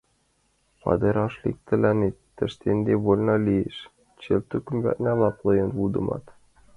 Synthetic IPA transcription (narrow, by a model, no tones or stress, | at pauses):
pɑ̰d̪ɤɾɑʃlʲḭk̚t̪ɘ̆lænet̪ːɘ̆ʃt̪end̪ʲeβolʲnɑlʲijeʃ | t͡ɕelt̪ukʲymbʲæ̰t̪nʲælˠɑplˠɤ̆jɤnud̪ɤ̆mɑ̰t̪